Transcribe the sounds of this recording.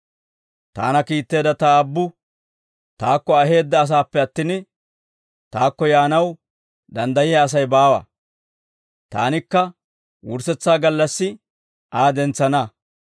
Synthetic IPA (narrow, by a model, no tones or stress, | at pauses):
t̪a̰ːnɐkiːt̪ːe̞ːd̪ɐt̪aːbːʊ | t̪aːkːɔɐɦe̞ːd̪ːɐːs̬aːpːɛɐt̪ːɪn | t̪aːkːɔjaːnɐw | d̪ɐnd̪ɐjɪjɐːs̬ɐjbaːwɐ̰ | t̪a̰ːnɪkːɐ | wʊɾsɛt͡sːaːɡɐlːɐsːɪ | ʔaːd̪ɛnt͡sːɐnɐ